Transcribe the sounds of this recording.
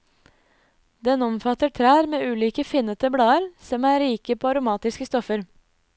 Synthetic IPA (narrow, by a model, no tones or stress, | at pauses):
d̪ɛnɔmfɑt̪əʈʰɾæːɾmeːʉːliːkəfɪnət̪əbɽɑːəɾsɔmæːɾiːkəpʰoːɑɾʊmɑːt̪ɪskəst̪ɔfəɾ